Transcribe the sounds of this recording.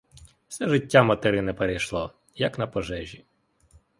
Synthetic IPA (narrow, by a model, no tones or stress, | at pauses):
wsɛʒɪtʲːamɐt̪eɾɪnɛpeɾejʃlˠɔ | jɐknɐpɔʒɛʒʲi